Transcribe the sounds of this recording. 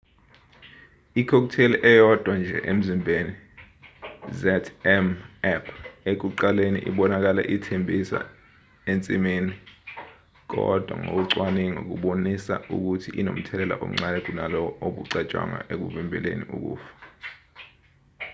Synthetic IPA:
ikʰɔk̬utʰeliʔɛjɔd̥ʱwand͡ʒʱɛ̰ʔem̩zimbʱeni | zɛtʰɛmɛpʰek̬uǃalenḭʔiɓɔnak̬alɛ̰ʔitʰembʱisa̰ | ent͡sʼimiːni | k̬ɔ̰d̥ʱwa̰ŋo̰k̬uǀwaniŋok̬uɓonisauk̬utʰiʔinom̩tʰɛlɛla̰ʔo̰m̩ŋ͡ǀalɛk̬unalɔoɓuǀat͡ʃʼwa̰ŋa̰ʔek̬uvimbʱɛlḛnḭʔṵk̬ṵːfḁ

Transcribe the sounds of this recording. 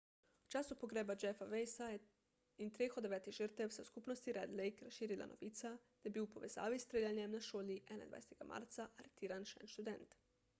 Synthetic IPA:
ut͡ʃaːsupoɡɾeːbad͡ʒɛfaʋejsajɛ | int̪ɾeːxod̪eʋɛːt̪iɣʒəɾt̪ɛwsɛskupnost̪iɾɛd̪lejkɾasʃiːɾila̰nʔo̰ʋiːt̪sat̪abiwpoʋeza̰ːʋist̪ɾeːlʲjanjɛmnaʃoːliʔɛna̰jnd̪ʋa̰jset̪ɛɡama̰ɾt̪saʔaɾet̪iːɾanʃɛ̰nʃt̪ud̪ɛnt̪

